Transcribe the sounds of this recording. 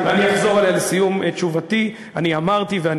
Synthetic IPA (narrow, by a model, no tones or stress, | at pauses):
veanijaχzo̞ʁalealsijumet͡ʃuvati | aniamaʁt̪ivean